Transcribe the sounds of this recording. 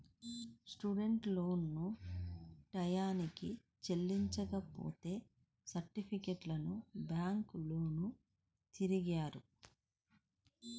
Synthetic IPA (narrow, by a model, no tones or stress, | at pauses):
sʈuɖe̞ɳʈloːnːu | ʈɐjaːniki | t͡ʃe̞lːiɲt͡ʃɐkɐpo̰ːt̪e̞ː | sɐɾʈipʰikeʈlɐnubjaːŋkloːnu | t̪iɾiɡaːɾu